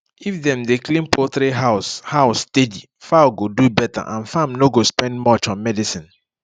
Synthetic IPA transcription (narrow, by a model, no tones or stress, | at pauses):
ifdɛ̃mdeklĩmpot̪ɾiɦashaʊstedi | faɡodubɛta̰ʔã̰nfãmnoɡospɛ̃ndmɔt͡ʃɔ̃nmɛdisĩn